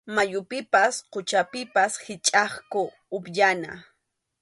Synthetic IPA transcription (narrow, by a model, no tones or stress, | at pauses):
majʊpɪpasqʊt͡ʃapɪpashɪt͡ʃʼɑχkʊː | pjana̰